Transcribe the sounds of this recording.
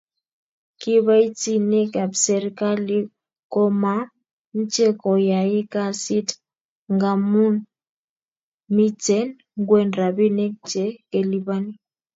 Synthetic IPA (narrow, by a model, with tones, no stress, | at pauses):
ki˦βa˦i˦t͡si˦ne˦ka˨bsɛ˨ɾi˦ka˦li˦ | kɔ˦ma˦ | n̩˦t͡ʃe˦kɔ˨ja˨ɪ˦ka˦si˦t | ŋɡa˨mu˦n | mi˦t͡sɛ˦n | ŋɡwɛ˦nɾa˨βi˦ne˦k̚t͡ʃe˦ke˨li˦βa˦ni˦